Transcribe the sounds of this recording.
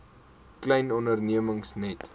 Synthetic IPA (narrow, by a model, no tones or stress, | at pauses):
klɛjnɔndərniəməŋsnɛt